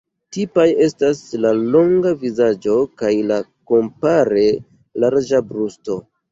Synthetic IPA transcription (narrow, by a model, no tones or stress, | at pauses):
tipaje̞staslalo̞ŋɡavizad͡ʒo̞kajlako̞mpaɾe̞ | laɾd͡ʒabɾusto̞